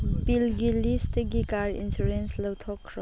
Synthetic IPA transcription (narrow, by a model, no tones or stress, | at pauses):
pilɡilisteɡikaɾḭnsuɾenslowtʰɔkʰːɾɔ